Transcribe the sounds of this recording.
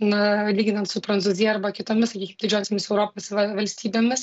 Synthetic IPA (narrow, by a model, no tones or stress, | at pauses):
nʊlʲiːɡʲɪnɐnt̪sʊpɾɐnt̪uːzʲɪjɛɐɾbɐkʲɪt̪oːmʲɪssɐkʲiːkʲɪmd̪ʲɪd͡ʒʲoːsʲemʲɪsɛʊɾoːpoːsʋɐʋɐlʲsʲt̪ʲiːbʲeːmʲɪs